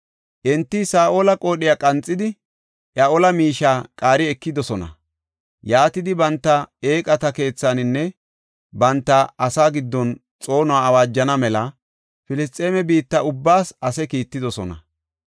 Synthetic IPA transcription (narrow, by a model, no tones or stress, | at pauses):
ʔɛnt̪ːɪsaːʔoːlɐkʼo̞ːɗɪjakʼɐnt͡sʼːɪd̪ɪ | ʔaʔɔlɐmiːʃaːkʼaːɾɪɛkːɪd̪ɔsɔnɐ̰ | jaːt̪ɪd̪ɪbɐnt̪ːɐe̞ːkʼɐt̪ɐke̞ːt͡sːanɪnːɛ | bɐnt̪ːɐɐsaːɡɪd̪ːɔn | t͡sʼo̞ːnʊaɐwaːd͡ʒːɐnɐmɛlɐ | fɪlɪst̪ʼːeːmɛbiːt̪ːɐʊbːaːsɐsɛkiːt̪ːɪd̪ɔsɔnɐ̰